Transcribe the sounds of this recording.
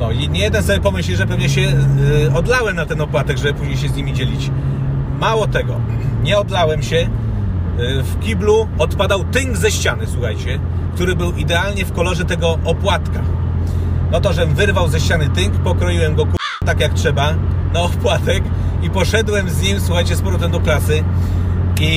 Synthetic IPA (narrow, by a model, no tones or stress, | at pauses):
nɔjɛɲijɛd̪ɛnsɔbʲjɛpɔmɘɕlʲiʐɛpɛvɲɛɕ̬ɛɔd̪lawɛmnat̪ɛnɔpwat̪ɛɡʐɛbɘpuʑɲejɕ̬ɛzɲimʲid͡ʑɛlʲit͡ɕ | mawɔt̪ɛɡɔɲɛɔd̪lawɛmɕɛ | fkʲibluɔt̪pad̪awt̪ɘŋɡzɛɕt͡ɕanɘswuxajt͡ɕɛ | kt̪uɾɘbɘwid̪ɛalɲɛfkɔlɔʐɛt̪ɛɡɔʔɔpwat̪ka | nɔt̪ɔʐɛvɘɾvawzɛɕt͡ɕanɘt̪ɘŋkpɔkɾɔjiwɛmɡɔku | t̪akjaktʂɛba | naɔpwat̪ɛk | ipɔʂɛd̪wɛmzɲimʲswuxajt͡ɕɛspɔɾɔt̪ɛnd̪ɔklasɘ | i